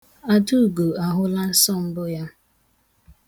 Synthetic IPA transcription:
a˦du˦˨ɡo˨a˨ɦʊ˦la˦n̩˦sɔ˦˨m̩˦bʊ˦ja˦

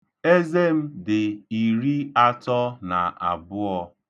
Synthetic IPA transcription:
e˦ze˦m̩˦dɪ˨i˨ɾi˦a˦tɔ˦na˨ʔa̰˨bʊ˦ɔ˦

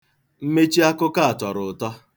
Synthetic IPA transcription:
m̩˦me˦t͡ʃi˦a˦kʊ˦ka˦a˨tɔ˨ɾʊ˨tɔ˦

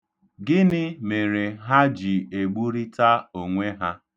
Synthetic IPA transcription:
ɡɪ˦nɪ˦me˨ɾe˨ɦa˦d͡ʒi˨e˨ɡ͡bu˦ɾi˦ta˦o˨ŋʷe˦ɦa˦

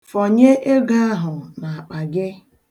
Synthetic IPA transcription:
fɔ˨ɲe˦ʔe˦ɡa˦a˦ɦʊ˨na˨a˨k͡pa˨ɡɪ˦

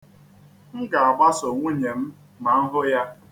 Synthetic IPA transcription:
ŋ̩˦ɡa˨a˨ɡ͡ba˦so˨ŋʷu˦ɲe˨m̩˦ | ma˨ŋ̩˦ɦʊ˦ja˦

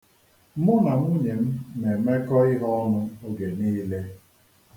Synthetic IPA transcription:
m˦ʊ˦na˨m̩˦u˦ɲe˨m̩˦ne˨me˦kɔ˦ɪ˦ɦɔ˦nʊ˦o˦ɡe˨niː˦le˦

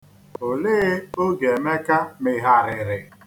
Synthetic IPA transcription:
o˨leː˦o˦ɡe˨me˦ka˦mɪ˨ɦa˨ɾɪ˨ɾɪ˨

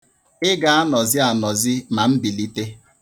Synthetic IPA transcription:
ɪ˦ɡa˨˦a˦nɔ˨zɪ˦a˨nɔ˨zɪ˦ma˨m̩˦bi˨li˦te˦

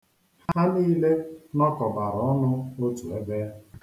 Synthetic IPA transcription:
haa˦niː˦le˦nɔ˦kɔ˨ba˨ɾɔ˨˦ɔ˦nʊ˦o˦tu˨e˦beː˦

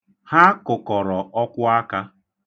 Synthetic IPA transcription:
ha˦kʊ˨kɔ˨ɾɔ˨ɔ˦kʷʊ˦a˦ka˦

